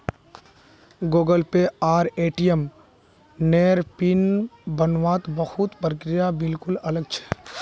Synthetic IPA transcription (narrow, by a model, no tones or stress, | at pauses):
ɡoːɡəlpeaːɾeːʈijem | neːɾpɪnbənʋaːt̪bəhut̪pɾəkɾɪjabɪlkʊlɐləɡ̚t͡ʃʰɛ̥